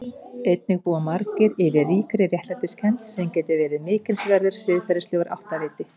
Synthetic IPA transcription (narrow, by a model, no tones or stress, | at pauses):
ejt̪̚nɪɣpuːamaɾkɪɾɪvɪriːkɾɪrjɛht̪lant̪ɪskʰɛnt̪sɛmcɛjt̪ʏvɛːɾɪmɪːcɪlsvɛɾðʏɾ̥sɪðfɛɾɪslʏːɣʏɾʔa̰wht̪avɪːt̪ɪ